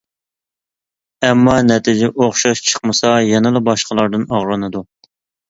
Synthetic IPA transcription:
ɛmːɑnɛt̪ʰid͡ʒɛʔoχʃɑʃt͡ʃʰə̥qmɨsɑjɛnɨlˠɨbɑʃqəlˠɑɾd̪ɨnɑʁɾɨnɨd̪u

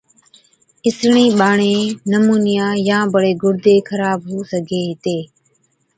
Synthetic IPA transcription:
ɪsɳĩːɓaːɳẽːnəmuːnɪjãːjãːbəɽeːɡʱʊɽd̪eːkʰəɾaːbɦoːsəɡʱeːɦɪt̪eː

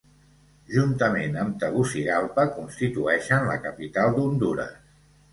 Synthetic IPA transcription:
ʒunt̪əmenəmt̪əβusiɣalˠpəkunst̪it̪uɛʃənlə̰kəpit̪alˠd̪und̪uɾə̰s

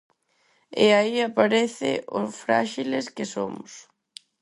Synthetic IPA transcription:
ɛaiapaɾɛθɪ̰ʔofɾa̰ʃilescɪsomʊs

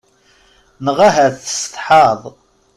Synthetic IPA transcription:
nəʁaɦæðə̥st̪ˤħɑðˤ

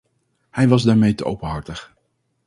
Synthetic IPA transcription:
hɛjʋɑzdaːɹmejtəʔowpənɦɑɹtəχ

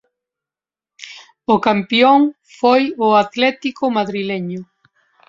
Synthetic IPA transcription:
ʊkampjoŋ | fojʊat̪lɛt̪ikʊmaðɾilɛɲʊ

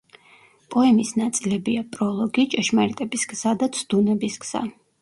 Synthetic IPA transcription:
pʼɔɛmisnat̪sʼilɛbiapʼɾɔlˠɔɡit͡ʃʼɛʃmaɾit̪ʼɛbisɡz̥ad̪at̪sʰd̪̥unɛbisɡz̥a̰

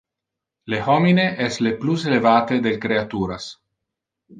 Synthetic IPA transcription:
lehɔmineʔɛslepluselevaːt̪ed̪elkɾeat̪uːɾas

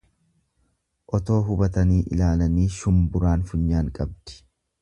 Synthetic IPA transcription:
ʔɔt̪o̞ːɦʊbɐt̪ɐniːʔɪ̰laːlɐniːʃʊmbʊɾaːnfʊɲːaːŋkʼɐb̚d̪̥ɪ̥

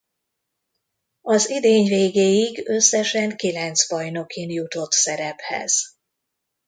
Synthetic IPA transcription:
ɒzid̪eːɲveːɡeːjiɡø̞sːɛʃɛŋkilɛnt̪sbɒjno̞kʰinjut̪o̞t̪sɛɾɛphɛ̰z̥

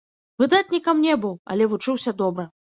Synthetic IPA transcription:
vɨd̪at̪̚ʲnʲikɐmnʲɛbɨwɐ̰lʲɛvut͡ʂɨwsʲɐd̪ɔbɾɨ

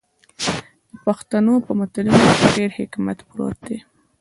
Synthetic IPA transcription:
d̪əpaxt̪anopəmʊt̪alinokeɖeɾhɪkma̰t̪bɾo̰t̪̚d̪e

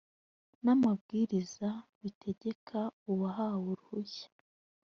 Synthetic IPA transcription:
namab̚ɡiːɾizaβitʰe̞ɟe̞kʰauβaɦawuɾuhuçḁ

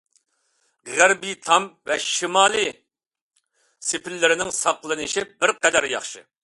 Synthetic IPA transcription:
ʁæɾbit̪ʰɑmvɛʃimɑːlˠi | sɪpʰɪlːɪɾɪnɪŋsɑqlˠɨnɨʃibɪɾqɛd̪æɾjɑχʃɨ̰

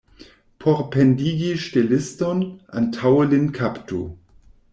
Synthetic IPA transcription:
pʰoɾpendiɡiʃtelɪstonʔa̰ntʰawlinkʰaptu

